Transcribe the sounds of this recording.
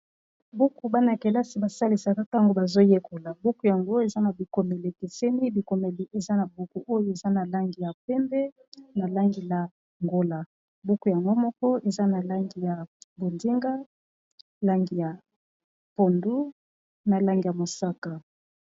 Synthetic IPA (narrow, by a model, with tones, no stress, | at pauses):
bu˦ku˨ba˦na˨ke˨la˦si˨ba˨sa˦li˨sa˨ka˦ta˦ŋɡo˨˦ba˨zo˦je˦kʰo˨la˨bu˦ku˨ja˨ŋɡo˦e˨za˦na˨bi˨ko˨me˨le˨ke˨sɛ˦ni˦bi˨ko˨me˨li˨ʔe˨za˦na˨bu˦ku˦ʔo˦jo˦e˨za˦na˨la˦ŋɡi˨ja˨pɛ˦mbɛ˦ | na˨la˦ŋɡi˨la˨ | ŋɡo˦la˨ | bu˦ku˨ja˨ŋɡo˦mɔ˦kɔ˦e˨za˦na˨la˦ŋɡi˨ja˨bo˨ndi˦ŋɡa˦ | la˦ŋɡi˨ja˨ | po˨ndu˦ | na˨la˦ŋɡi˨ja˨mo˨sa˦ka˨